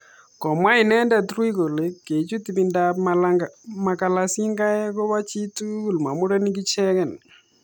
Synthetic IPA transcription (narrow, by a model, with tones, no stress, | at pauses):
kɔ˨mwa˦i˨nɛ˦nda˨tɾu˦i˦ko˨le˦ke˨t͡ʃu˦ti˨bi˨ndamlaɡma˨ka˨la˨si˦ŋɡa˦ɛ˦kɔ˦βa˦t͡ʃi˦tu˦ku˨lma˨mu˦ɾɛ˦ni˦ŋɡi˦t͡ʃɛ˦kɛ˨n